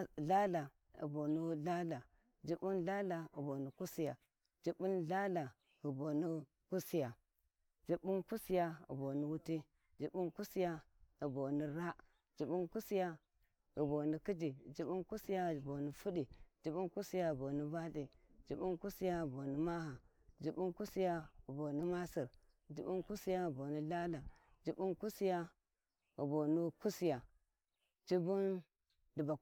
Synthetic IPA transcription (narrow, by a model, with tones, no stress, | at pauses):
ɮa˦la˨ | ḭ˨bo˨ni˦ɮa˦la˨ | d͡ʒi˦bu˦nɮa˦la˨ḭ˨bo˨ni˨ku˦si˦ja˨ | d͡ʒi˦bu˦nɮa˦la˨ | ɣi˨bo˨ni˦ | ku˦si˦ja˨ | d͡ʒi˦bu˦nku˦si˦ja˦ḭ˨bo˨ni˦wu˦ti˦ | d͡ʒi˦bu˦nku˦si˦ja˦i˨bo˨ni˦ɾa˦ | d͡ʒi˨bu˦nku˦si˦ja˦ | ɣi˨bo˨ni˦ki˦d͡ʒi˨d͡ʒi˦bu˦nku˦si˦ja˦˨bo˨ni˦fu˦di˨d͡ʒi˦bu˦nku˦si˦ja˦˨bo˨ni˦ba˦di˨d͡ʒi˦bu˦nku˦si˦ja˦˨bo˨ni˦ma˦ha˨ | d͡ʒi˦bu˦nku˦si˦ja˦ə˨bo˨ni˦ma˦si˨ɾ | d͡ʒi˨bu˦ku˦si˦ja˦i˨bo˨ni˦la˦la˨ | d͡ʒi˨˦bu˦nku˦si˦ja˦ | ɣi˨bo˨ni˦ku˦si˦ja˨ | d͡ʒi˦bu˦n | di˨ba˨